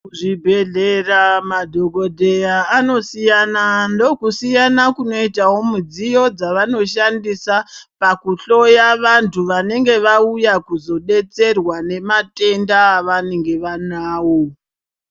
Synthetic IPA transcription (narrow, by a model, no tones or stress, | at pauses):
ʐibʱe̞ɮeramadʱo̞ɡo̞dʱe̞jaːno̞sijanando̞kusijanakuno̞itawo̞mud͡zijo̞d͡zaʋano̞ʃandisapakuɬo̞jaʋantʰuʋane̞ŋɡe̞ʋaujakuzo̞ɗe̞t͡se̞rwane̞mate̞ndaːʋane̞ŋɡe̞ʋanaːwo̞